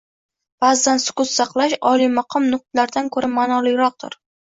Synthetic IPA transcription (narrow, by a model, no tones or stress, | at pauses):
b̥azːansʊ̥kʊt̪sɑqlˠaʃɒlˠimɑqʰɨmnʊq̚t̪laɾd̪ankʰɵɾamanɒlˠijɾɒq̚t̪ʰʊ̰ɾ